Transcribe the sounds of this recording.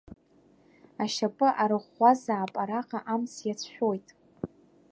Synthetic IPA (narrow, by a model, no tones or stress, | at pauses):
aʃapʼɨʔaɾɨχːʷazaːpʼaɾaqʼaʔamsjat͡sʰħʷᶣojtʼ